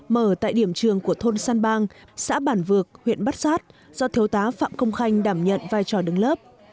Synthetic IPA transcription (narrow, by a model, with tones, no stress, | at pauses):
məː˧˩t̪a̰ː˧˨jɗi˧˩əmt͡ɕɨ˨˩əŋku˧˩ət̪ʰo˧nsaː˧nɓaː˧ŋsa̰ː˧˥ɓaː˧˩nvɨ˨˩ək̚hwḭ˧˨ənɓa˦˥t̚saː˦˥t̚ | z̥ɔ˧t̪ʰi˨˦əwt̪aː˨˦fa̰ː˧˨mkə˧wŋ͡mxa˧jŋ̟ɗaː˧˩mɲə̰˧˨nvaː˧jt͡ɕɔ˧˩ɗɨ˨˦ŋləː˦˥p̚